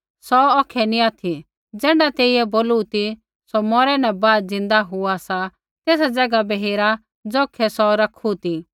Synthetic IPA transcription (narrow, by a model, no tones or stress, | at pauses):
sɔɔːkʰɛnĩaːt̪ʰi | d͡zɛ̃ːɳɖat̪eːiɛboːluut̪i | somɔːɾɛnɛ̃baːd̪d͡zɪ̃nd̪aɦʊasa | t̪eːsad͡zɐɡabɛɦeːɾa | d͡zoːkʰɛsɔɾɐkʰut̪i